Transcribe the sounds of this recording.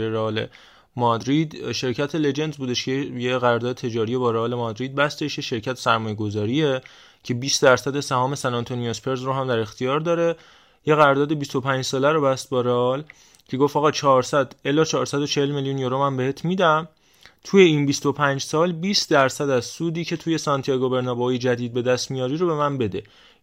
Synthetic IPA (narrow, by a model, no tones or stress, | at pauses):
eɾeɒːlḛ | mɒd̪ɾid̪ʃe̞ɾcʰæt̪ʰele̞d͡ʒe̞nd̪zbuːd̪e̞ʃcʰejeɣæɾɒɾd̪ɒːd̪et̪ʰe̞d͡ʒɒːɾije̞bɒːɾeɒːle̞mɒd̪ɾiːd̪̚bæst̪e̞ʃjeʃe̞ɾcʰæt̪ʰsæɾmɒːjeɡo̞zɒːɾie̞ | cʰe̞biːsd̪æɾsæd̪esæhɒːme̞sænɒnt̪ʰoniospʰe̞ɾzroɦæmd̪æɾe̞xt̪ijɒːɾd̪ɒːɾe̞ | je̞ɣæɾɾd̪ɒːd̪e̞bist̪o̞pʰænd͡ʒsɒːlæɾobæst̪̚bɒɾeɒl | cʰe̞ɡo̞fɒːɣɒːt͡ʃʰɒːɾsæd̪elɒːt͡ʃʰɒːɾsæd̪o̞t͡ʃʰehelmeljunjoɾomæmbe̞heːt̪ʰmiːd̪æm | t̪ʰuje̞iːnbist̪o̞pʰænd͡ʒsɒːlbiːst̪d̪æɾsæd̪æzsuːd̪iːcʰe̞t̪ʰuːje̞sɒnt̪ʰiɒɡobe̞ɾnɒbɒjed͡ʒæd̪iːd̪̚be̞d̪æst̪mijɒːɾiːɾobe̞mænbe̞d̪e